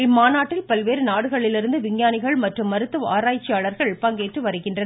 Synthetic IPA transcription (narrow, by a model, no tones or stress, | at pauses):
maːnaːʈːɪlpɐlʋeːɾɯnaːɽɯɣɐɭɪlɪɾɯnd̪ɯʋɪɲjaːnɪɣɐɭmɐʈrɯmːɐɾɯt̪ːɯʋaːɾaːjt͡ʃːɪjaːɭɐɾɣɐɭpɐŋɡeːʈrɯʋɐɾɯkːɪndrɐn